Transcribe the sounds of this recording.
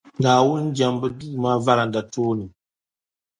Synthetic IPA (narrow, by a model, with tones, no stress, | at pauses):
ɡaː˨wʊ˦n˦d͡ʒa˨mbɨ˦du˦˨maː˦va˦la˨n˨da˨toː˦nɨ˨